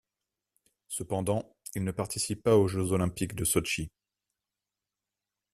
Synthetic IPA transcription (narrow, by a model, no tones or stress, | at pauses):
səpɑ̃d̪ɑ̃ | ilnəpaʁt̪isipːaoʒøzɔlɛ̃pikd̪əsɔʃi